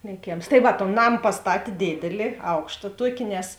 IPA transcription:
lʲeːˈkʲeːms tɐɪ ˈʋɐ toːn ˈnɐm pɐsˈtɑːtʲeː ˈdʲeːdʲeːlʲɪ ˈɐʊkʃtɐ ˈtuɔkʲɪ nʲɛs

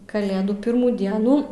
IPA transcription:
kɐˈlʲeːduː ˈpʲɪrmuː ˈdʲiɛnuː

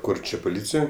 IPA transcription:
ˈkʊr ˈt͡ʃʲɛ poːˈlʲiːt͡sʲɪjoːj

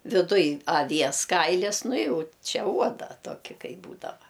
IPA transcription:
ʋʲɪˈdʊj ɐˈʋʲiɛs ˈkɐɪlʲɪs ˈnʊ ˈjɛʊ ˈt͡ʃʲɛ ˈuɔdɐ ˈtoːkʲɪ ˈkɐɪ ˈbuːdɐʋɐ

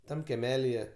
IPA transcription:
ˈtɐm kʲɛˈmʲæːlʲɪjɛ

